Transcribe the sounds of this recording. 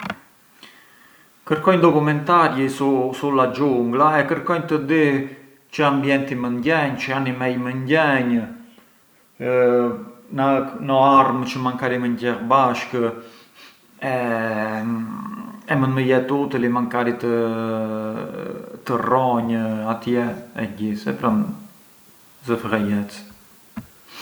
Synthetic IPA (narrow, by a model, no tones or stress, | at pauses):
kəɾkɔjɲnd̪ɔkumɛnt̪aɾjisusulad͡ʒuŋɡlaɛkəɾkɔjɲt̪əd̪i | t͡ʃəambjɛnt̪imənɟɛɲt͡ʃəanimɛjmənɟɛɲ | nənəaɾmət͡ʃəmaŋkaɾiməɲɟɛɾbaʃkə | ɛ | ɛmənməjɛt̪ut̪əlimaŋkaɾit̪ə | t̪ərɔɲat̪jɛɛɟisɛ̰pɾan | zəfəʁɛjɛt͡s